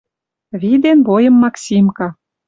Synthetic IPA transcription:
βid̪enbojɤ̆mːɑksʲimkɑ

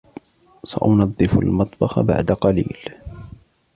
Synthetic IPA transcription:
saʔʊnɑd̪ˤːɨfa̰lmɑt̪ˤbɑxa̰ba̰ʕd̪aqɑlḭːl

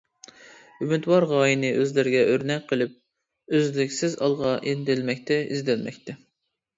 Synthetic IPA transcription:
ymyt̪wɑɾʁɑːjinɨʔøzlɪɾɪɡʲɛʔøɾnɛk̚ʲqʰəlˠɨp̚ | øzlɪkʲsɪzɑlˠʁɑʔend̪ɪlmɛkʲt̪ʰɛḭzd̪ɪlmɛ̰kʲt̪ʰɛ

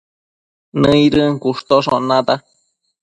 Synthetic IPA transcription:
nɨ̃iɾɨŋkuʂt̪oʂõnãt̪a

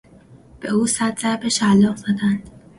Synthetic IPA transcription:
b̥euːsæd̪zæɾbeʃælɒːzæd̪ænd̪̥

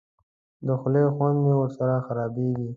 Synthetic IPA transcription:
d̪əxʊlexwand̪mewəɾsaɾaxaɾɑbeɡi

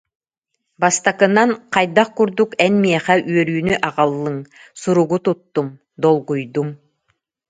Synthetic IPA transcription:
bast̪akɯnanqʰɑjd̪aq̚kuɾd̪ukɛnmiɛχɛʔyœɾyːnyʔɑʁalˠːɯŋ | suɾuɡut̪ut̪ːum | d̪ɔlˠɡujd̪um

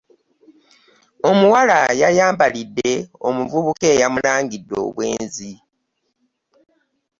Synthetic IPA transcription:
o̞muwalajajaːmbalidːe̞omuvuβuke̞ːjamulaːŋɡidːo̞̰ːβwe̞̰ːnzi

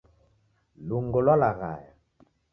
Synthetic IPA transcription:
luŋɡolalaɣa̰ja

